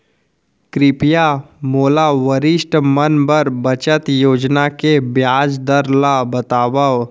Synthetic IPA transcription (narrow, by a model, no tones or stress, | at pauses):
kɾɪpja | moːlaʋəɾɪʃʈmənbəɾbət͡ʃət̪joːd͡ʒnakebjaːd͡ʒd̪əɾlabət̪aːʋəʋ